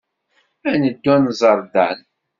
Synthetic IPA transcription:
ænəd̪ːænzˤəɾˤd̪æ̰n

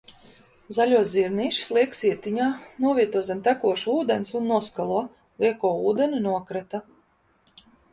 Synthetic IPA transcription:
zalʲuɔziɾniːʃslˠiɛksiɛt̪iɲaːnuɔvʲiɛt̪uɔzʲɛmt̪ækuɔʃuːd̪ensunːuɔskalˠuɔ | lˠiɛkuɔuːd̪enʲunuɔkɾat̪a

